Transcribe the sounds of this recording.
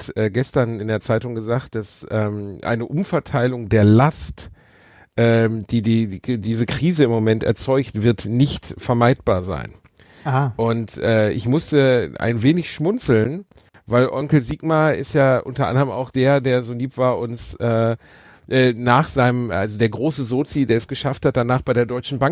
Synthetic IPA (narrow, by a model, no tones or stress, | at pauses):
tɛːɡɛstɐnɪndeːɐt͡saɪtʊŋɡəzaːχt̚d̥asʔɛːmʔa̰ɪnəʔʊmfɛɐtʰaɪlʊŋdeːɐlast | ʔɛːd̥iːdiːdiːzəkʁ̥iːzəɪmːomɛntɛ̰ɐt͡sɔʏçtv̥ɪɐtnɪçtfɛɐmaɪt̚b̥aːɐza̰ɪn | aʔʊntʔɛːʔɪ̰çmʊstəʔa̰ɪnveːnɪçʃmʊnt͡sl̩n | vaɪlʔɔŋkl̩ziːɡmɐɪ̰stjaːʔʊ̰ntɐʔa̰ndəʁəma̰ʊxd̥eːɐdeːɐzoːliːpv̥aːɐʔʊnsʔɛː | ʔɛːnaːχz̥aɪnəmʔa̰lzodeːɐɡʁoːsəzoːt͡sideːɐɛsɡ̥əʃafthat̚d̥anaːχb̥aɪdeːɐdɔʏt͡ʃn̩baŋ